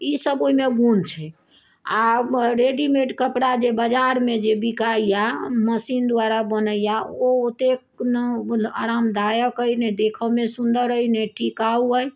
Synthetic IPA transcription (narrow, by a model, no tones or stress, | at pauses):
isəboɦimeɡunt͡ʃʰɛ | aɾeɖimeʈkəpɽad͡ʒebəd͡ʒaɾmed͡ʒebikaijaməsind̪waɾabənəjaoot̪ekna̰ɾamd̪ajəkəjned̪ekʰəmesund̪əɾəjneʈikauəj